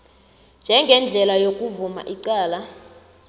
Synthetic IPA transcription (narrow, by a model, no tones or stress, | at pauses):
nd͡ʒʱɛŋɡʱɛnd͡ɮʱɛlajokʼuvuma̰ʔiǀaːla